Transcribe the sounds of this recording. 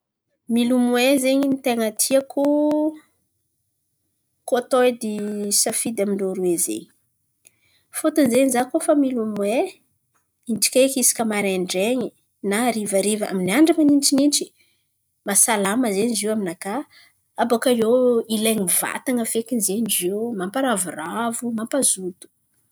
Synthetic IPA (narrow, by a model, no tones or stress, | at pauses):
milumwezeɲinit̪eŋət̪ʰiakʰu | kot̪ojd̪isafid̪amiɳɖ͡ʐoɾuezḛɲi̥ | fot̪ənzeɲizakofamilumwe | inʈ͡ʂi̥kʲekisi̥kʲəmaɾeɳɖ͡ʐeɲi | naɾivaɾivəa̰miniaɳɖ͡ʐamaninʈ͡ʂininʈ͡ʂi̥ | masalaməzeniziwaminaka | abakajeileɲiva̰t̪aŋəfekinzeniziwmampaɾavuravumampazut̪u̥